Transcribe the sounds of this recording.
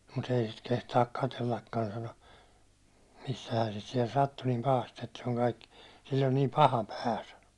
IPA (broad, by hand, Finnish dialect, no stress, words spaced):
mut ei sit kehtɑːk kɑtelːɑkːɑn sɑno misːæhæːn̞ sit siɛl sɑtːu niːm pɑhɑst etːæ se on kɑikːi̥ silː on niːm pɑhɑ pæː sɑno